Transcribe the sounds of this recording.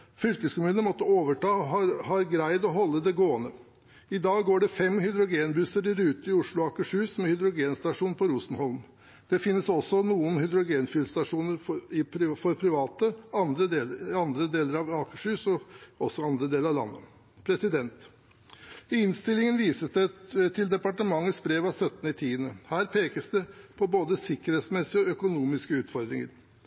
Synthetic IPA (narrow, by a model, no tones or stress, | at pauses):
fʏlkəskʊmʉːnəmɔt̪ːəoːʋəʈɑːhɑɾɡɾæɪd̪ɔɦɔlːəd̪ɛɡoːənə | ɪd̪ɑːɡɡoːɖɛfɛmhʏd̪ɾʊɡeːnbʉsəɾɪɾʉːt̪əɪʊʂlʊɑːkəʂʉːsmɛhʏd̪ɾʊɡeːnst̪ɑʂuːnpʰɔɾuːsn̩hɔlm | d̪̥ɛfɪnːəsɔsɔnuːənhʏd̪ɾʊɡeːnfʏlst̪ɑʂuːnəɾɪfɔɾpʰɾɪʋɑːt̪əɑnd̪ɾəːɑnd̪ɾəd̪eːləɾɑʋɑːkəʂʉːsɔɔsːɔɑnd̪ɾəd̪eːləɾɑʋlɑ̰nːə̰ | pʰɾɛsɪd̪ɛnt̪ | ɪɪnst̪ɪlːɪŋənʋiːsəsd̪ɛt̪ʰɪld̪ɛpɑʈəmɑŋːəsbɾeːʋɑsœt̪ːn̩ɪt̪ʰiːənəhæːɾpʰeːkəsd̪ɛpʰɔboːd̪əsɪkəɾheːt̪smɛsɪɔœkʊnuːmɪskəʉːt̪fɔɾd̪ɾɪŋə̰ɾ